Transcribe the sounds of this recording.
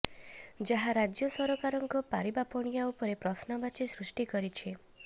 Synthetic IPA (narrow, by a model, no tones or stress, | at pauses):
d͡ʒaɦaɾad͡ʒjɔsɔɾokaɾɔŋkɔpaɾibapɔɽ̃ijaupɔɾepɾɔsnɔbat͡ʃesɾusʈikɔɾit͡ʃʰe